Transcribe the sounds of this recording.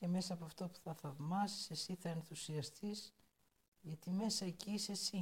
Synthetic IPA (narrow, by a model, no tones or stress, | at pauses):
ceme̞sɐːpoɐft̪o̞pu̥θɐθɐvmɐsi̥sesiθɐe̞nθusiɐst̪iz | ʝɐt̪ime̞sɐecisesi